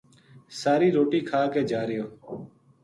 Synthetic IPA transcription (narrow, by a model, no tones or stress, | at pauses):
saːɾiːɾoːʈiːkʰaːkeːd͡ʒaːɾɪjoː